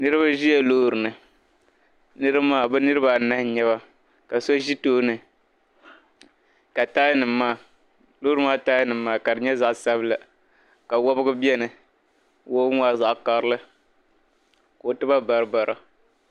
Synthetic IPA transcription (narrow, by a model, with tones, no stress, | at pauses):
nɨ˦ɾɨ˦βa˦ʒi˦jɛ˦loː˦˨ɾɨ˨nɨ˨ | nɨ˦ɾɨ˦maː˦bɛ˦nɨ˦ɾɨ˦ba˨na˦hɲɛ˦βa˦ | ka˨so˦ʒi˦toː˦nɨ˨ | ka˨taː˦jnɨ˨˦mːaː˦˨ | lo˦ɾɨ˦maː˦taː˦jnɨ˨mː˦aː˦˨ka˨dɨ˨ɲɛ˦za˨ʔsa˦bɨ˦la˨ | ka˨wɔ˦bɨ˦ɡɨ˦bɛ˦nɨ˨ | wo˦ŋ˦aː˦za˨ʔka˨ɾɨ˦lɨ˦ | ko˨tɨ˦ba˦ba˨ɾɨ˨ba˨ɾa˨